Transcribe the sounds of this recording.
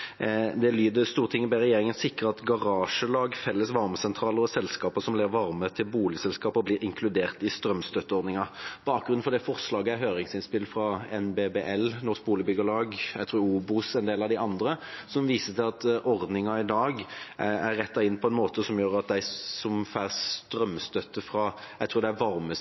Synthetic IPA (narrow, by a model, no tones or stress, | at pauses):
d̪ɛlyːd̪əst̪uːʁt̪ʰɪŋːəbɛɾɛjeːɾɪŋənsɪkʁəɑt̪ɡɑʁɑːʂəlɑːɡfɛlːəsʋɑɾməsɛnt̪ʰɾɑːləɾɔsɛlskɑːpəsɔmlɛːʋəɾʋɑɾmət̪ʰɪlbuːlɪsɛlskɑːpəɔblɪːɾɪŋkʰlʉd̪eːʁt̪ɪst̪ɾœmst̪œt̪ːəɔʁd̪nɪŋɑb̥ɑːk̚ɡɾʉn̩fɔɾd̪ɛfɔʁʂlɑːɡəæɦøːɾɪŋsɪnspɪlːfɾɑɛnbeːbeːʔɛlnɔʁʂk̚buːlɪəbʏɡəlɑːɡjæɪt̪ʰɾuːuːbʊsɛnd̪eːlɑʋd̪ɪɑnd̪ɾəsɔmʋiːsət̪ʰɪlɑt̪ʔɔʁd̪nɪŋɑɪd̪ɑːɡæɾːɛt̪ːɑɪnːpʰɔɛnmoːt̪əsɔmjøːɾɑt̪̚d̪æɪsɔmfæːʁst̪ɾœmːst̪œt̪ːəfɾɑjæɪt̪ʰɾuːɾd̪æʋɑɾmə